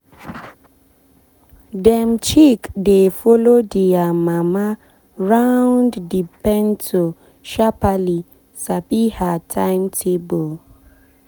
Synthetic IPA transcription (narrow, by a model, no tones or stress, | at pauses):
dɛmt͡ʃikdefolodiamama | ɹawnddipɛntʰo | ʃapali | sabihatʰãɪmtʰebol